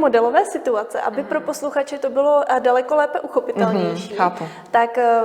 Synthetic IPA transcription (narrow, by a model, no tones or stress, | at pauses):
mo̞dɛlo̞vɛːsɪt̪uat͡sɛ̰ʔa̰bɪpɾo̞po̞sluxat͡ʃɪt̪obɪlo̞dalɛkolɛːpɛʔuxopɪt̪ɛlɲɛjʃiːxaːpu | t̪ak